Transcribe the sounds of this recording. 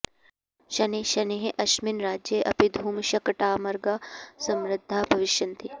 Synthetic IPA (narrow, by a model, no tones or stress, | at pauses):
ʃɐniʃɐneɦeʔɐʃminɾaːd͡ʒjɐʔɐ̰pid̪ʱuːmʃɐkɐʈaːmɐɾɡasɐmɾɪd̪ʱːaːbʱɐʋɪʃjɐnt̪ʰi